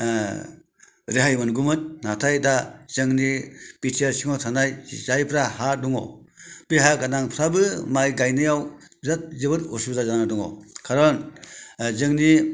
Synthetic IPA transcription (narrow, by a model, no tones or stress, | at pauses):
ɾeɦajmɯnɡumɯnːatʰajdazɯŋnipitʰiaɾsiŋɔtʰanajzajpʰɾahaduŋɔ̰ | beɦajakanaŋpʰɾabɯmajɡajnɯjawzat̚zɯbɯtɔsibzazanaduŋɔ̰kʰaɾɔn | zɯŋni